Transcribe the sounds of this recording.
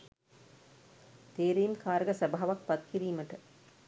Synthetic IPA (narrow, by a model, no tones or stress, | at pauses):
t̪eːɾijmkaːɾɐɡɐsɐbʱaːʋɐk̚pɐt̪̚kiɾiːmɐʈɐ